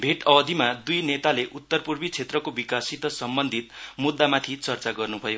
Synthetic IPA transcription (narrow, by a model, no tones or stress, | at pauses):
bʱeʈʌbʌd̪ʱimad̪ujnet̪aleʔut̪ːʌrpurbit͡sʰet̪rʌkobikasit̪ʌsʌmbʌnd̪ʱit̪̚mud̪ːamat̪ʰit͡sʌrt͡saɡʌrnubʱʌjo